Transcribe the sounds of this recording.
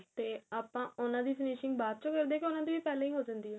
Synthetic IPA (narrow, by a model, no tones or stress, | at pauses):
t̪eːaːpãːʊnãːd̪iːpʰɪniːʃɪŋɡbaːt̪̚t͡ʃõːkəɾd̪eːkiʊnãːd̪iːʋiːpɛːlẽːĩɦoːd͡ʒãːnd̪iːɦɛː